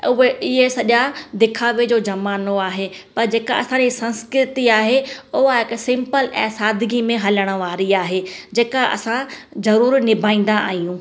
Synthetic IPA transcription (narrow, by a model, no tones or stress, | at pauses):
ʊɦeɪɦesɐʄad̪ɪkʰaːʋed͡ʑoːd͡ʑɐmaːnoaːɦe | pɐɾd͡ʑeːkaɐsãd͡ʑisɐ̃nskɾɪt̪iaːɦeʊɦaɦɪksɪ̃mpəlɛ̃ːsaːd̪ʱɪɡimẽɦɐləɽ̃ə̆ʋaːɾiaːɦeːd͡ʑeːkaʔɐ̰sã | zɐɾuːɾnɪbʱaːĩːn̆d̪aa̰ːɦijũː